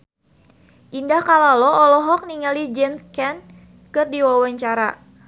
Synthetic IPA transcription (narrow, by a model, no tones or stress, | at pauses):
ʔindahkalalɔɔlɔɦɔk̚niŋalid͡ʒɛnskɛn | kɨrdiwawaɲt͡ʃaɾa̰